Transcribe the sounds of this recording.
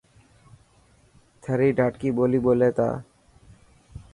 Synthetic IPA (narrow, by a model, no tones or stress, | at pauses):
t̪ʰɛɾiɖʱaʈkibolibolet̪a̰